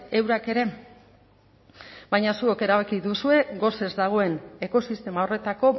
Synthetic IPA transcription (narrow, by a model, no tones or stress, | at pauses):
e̞wɾake̞ɾe̞ | bajɲasueke̞ɾaβakiðusue̞ɡo̞se̞zd̪aɣ̞o̞e̞ne̞ko̞sist̪e̞mao̞re̞t̪ako̞